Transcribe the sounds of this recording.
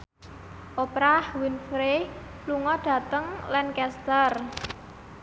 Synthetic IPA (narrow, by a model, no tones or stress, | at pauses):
ʔopɾahwinfɾe | luŋɔɖ̥ä̤t̪əŋlankɛst̪ər